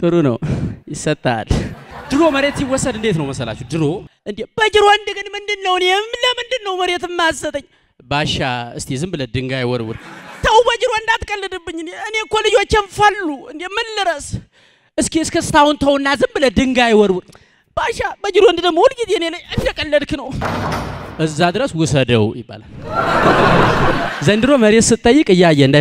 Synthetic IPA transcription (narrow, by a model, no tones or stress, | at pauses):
t̪ʼɨɾunə̰wjɪsːət̪ʼːa̰ld̪ɨɾo̞məɾet̪siwːɔsːəd̪ɨnd̪e̞t̪nəwməsəla̰t͡ʃːɛwd̪ɨɾoʔɨnd̪eb̥əd͡ʒɪɾoɨnd̪ɨɡɨnmɨnd̪ɨnːəwneɛmləmɨnd̪ɨnːəwməɾet̪ɨmːazːət̪ʼəɲː | baʃa̰ɨst̪ʰezɨmbləd̪ɨŋɡajɪwɔ̰ɾwʊ̰ɾt̪ʰəwbəd͡ʒɪɾoɨnd̪at̪kʼəlːɨd̪ɨbːɨɲːɨnɨne̞kolɨd͡ʒot͡ʃːenfalːuɨnd̪emːɨnlɨɾəs | ʔɨskeɨskʰəsɨ̥t̪ʰawʊnt̪ʰəwnːazɨmbləd̪ɨŋɡajwɔɾwʊɾ | b̥aʃabəd͡ʒɪɾoɨnd̪ɨd̪əmːohulɡizeɨneləɲɨnd̪əkʼəlːəd̪knəw | ʔɨzːad̪ɨɾəswʊsəd̪ə̰wjɪ̰bːa̰la̰l | zənd̪ɨɾoməɾet̪sɨt̪ʼːəjːɨkʼɨjːajːɛɨnd̪a